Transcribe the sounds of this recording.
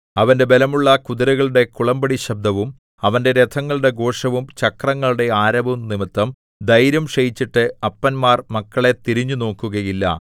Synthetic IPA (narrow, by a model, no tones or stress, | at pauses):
ɐʋɐnde̞be̞lɐmuɭːɐkuðiɾɐɣɐɭuɽe̞kuɭɐmbɐɽiɕɐb̚d̪ʱɐʋum | ɐʋɐnde̞ɾe̞t̪ʰɐŋːɐɭuɽe̞ɡo̞ːʂɐʋumt͡ɕɐkrɐŋːɐɭuɽe̞aːɾɐbumnimit̪ːɐm | d̪ɐjɾjɐmʂɐjit͡ɕːiʈːɨɐpːɐnmaːrmɐkːɐɭe̞t̪iɾiɲːuno̞ːkːuɣɐjilːɐ̰